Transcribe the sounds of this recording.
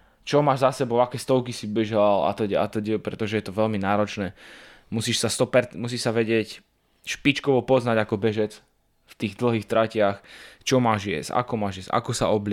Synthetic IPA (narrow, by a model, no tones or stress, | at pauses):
t͡ʃɔmaːʒzasɛbɔʊakɛːst̪ɔʊkisibɛʒala̰t̪ɔɟɛa̰t̪ɔɟɛpɾɛt̪ɔʒɛjɛt̪ɔʋɛʎminaːɾɔt͡ʃnɛː | musiːʃsast̪ɔpɛɾmus̬iːʃsaʋɛɟɪɛc | ʃpit͡ʃkɔʋɔpɔznaɟakɔbɛʒɛt͡s | ft̪iːɣd̪l̩ɦiːxt̪ɾacɪaxt͡ʃɔmaːʒjɛ̰sa̰kɔmaːʒjɛsa̰kɔsa̰ɔblɪ